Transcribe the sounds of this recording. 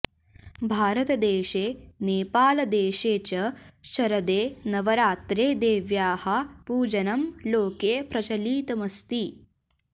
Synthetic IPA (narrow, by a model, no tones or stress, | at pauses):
bʱaːɾɐt̪ɐd̪eːʃeːneːpaːlɐd̪eːʃeːt͡ʃɐʃɐɾɐd̪eːnɐʋɐɾaːt̪ɾeːd̪eːʋjaːhɐ̆puːd͡ʒɐnɐmloːkeːpɾɐt͡ʃɐliːt̪ɐmɐst̪i